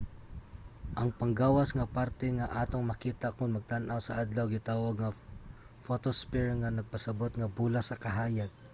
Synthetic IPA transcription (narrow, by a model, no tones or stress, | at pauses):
ʔɐŋpɐŋɡaːwasŋɐpaɾt̪ɛŋaʔaːt̪oŋmɐkiːt̪akʊnmɐɡ̚t̪anʔawsɐʔad̪lawɡɪt̪aːwaɡŋa | fot̪ospɛɹŋanɐɡ̚pɐsɐbot̪ŋɐbuːlasɐkɐɦaːjaɡ̚